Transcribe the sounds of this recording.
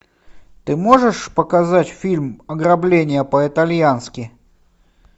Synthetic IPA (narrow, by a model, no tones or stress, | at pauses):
t̪ɨmoʐɨʂpəkɐzatʲfʲilʲmɐɡɾɐblʲenʲɪjəpəɪt̪ɐlʲjanskʲɪ